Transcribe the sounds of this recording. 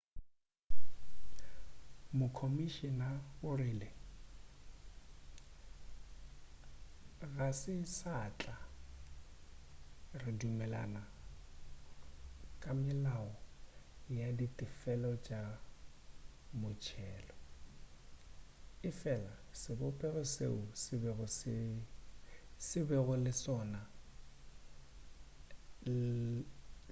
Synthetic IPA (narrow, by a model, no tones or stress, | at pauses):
mʊkʰomiʃinaʊrɪlɪ | ɣasɪsat͡ɬʼa | rɪdumɛla̰na | kʼamɪlaɔ | jaditʼɪfɛlɔt͡ʃʼa | mʊt͡ʃʰɛːlɔ | ɪfɛlasɪbʊpʼɛrɔsḛusɪbɛɣʊsɪ | sɪbɛɣʊlɪsɔːna